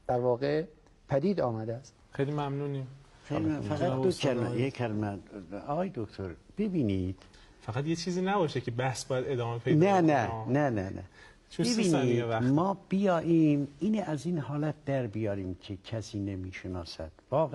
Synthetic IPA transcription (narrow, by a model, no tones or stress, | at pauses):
d̪̥æɾvɒːɣe | pʰæd̪iːd̪ɒːmæd̪eæst̪xejlimæmnuni | xelimæfæɣæt̪d̪oælmæjeælmæɒːɣɒːjed̪okt̪ʰoɾb̥e̞biːniːd̪̥ | fæɣæt̪jet͡ʃʰiːziːnæbɒːʃekʰebæhsbɒːjæd̪ed̪ɒːmepʰejdnænænænænæ̰ | t͡ʃbebiːnidmɒːb̥ijɒːʔimiːnʔæziːnhɒːlæt̪̚ʰd̪̥æɾbijɒːɾiːmcʰecʰæsiːnemiːʃenɒːsæd̪̥vɒːɣ